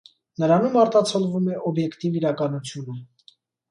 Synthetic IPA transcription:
nəɾɑnumɑɾt̪ɑt͡sʰɔlvumɛʔɔbjɛkt̪iviɾɑkɑnut͡sʰjunə

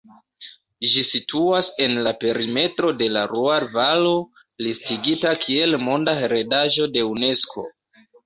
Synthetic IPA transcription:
ʒisitʰuase̞nlape̞ɾime̞tɾo̞de̞laɾuaɾvalo | listiɡitakʰie̞lmo̞ndaeɾe̞daʒo̞de̞une̞skʰo̞̰

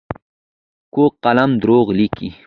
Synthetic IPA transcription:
koqalamd̪ɾoːɣlikḭ

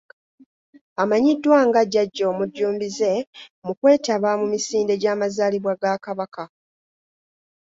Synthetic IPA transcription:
amaɲidːwaŋɡaɟːaɟːo̞ːmuɟːuːmbize̞mukwe̞ːtaβamumisiːnde̞ɟaːmazaːliβwaɡakaβaka

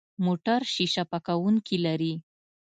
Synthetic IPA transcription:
moʈaɾʃiʃapakawuŋkilaɾi

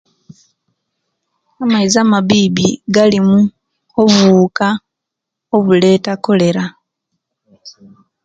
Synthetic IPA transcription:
amaizamaβiːβiɡalimu | ovuːka | o̞βule̞ːtako̞le̞ɾa

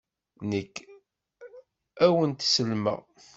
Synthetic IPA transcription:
nəkː | æwənt̪səlmə̰ʁ

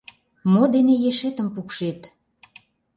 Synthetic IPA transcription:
mod̪enejeʃet̪ə̆mpukʃet̪

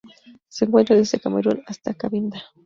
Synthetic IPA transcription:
seŋkwent̪ɾaðesd̪ekameɾonast̪akaβind̪a

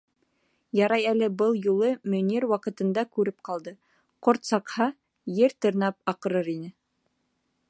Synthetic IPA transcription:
jɑɾɑjælɘbɤlˠjulˠɤmɵ̆niɾwɑqɤ̆t̪ɤ̆nd̪ɑkʉɾɘp̚qɑlˠd̪ɤ | qoɾt̪sɑqhɑ | jɘɾt̪ɤ̆ɾnɑp̚ɑqɤ̆ɾɤɾinɘ

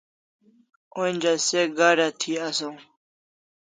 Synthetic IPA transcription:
onʲd͡ʑaseɡaɾat̪ʰiaso

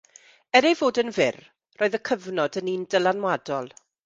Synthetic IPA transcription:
ɛɾejvoːdənvɪr | rʔoːɨðəkʰəvnɔdəniːndəlˠanwadɔlˠ

